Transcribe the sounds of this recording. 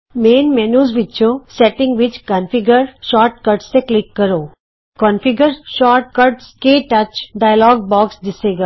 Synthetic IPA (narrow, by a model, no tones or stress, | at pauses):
meːnmenuːzʋɪt͡ʃʰõseʈɪ̃ŋɡʋɪt͡ʃkə̃nfiɡəɾʃɔːɾʈ̚kəɾʈsːeklɪkːəɾoː | kɔ̃nfiɡəɾʃɔːɾʈ̚kəɾʈskeːʈət͡ʃɖajəlɔːɡ̚bɔːksd̪ɪseːɡa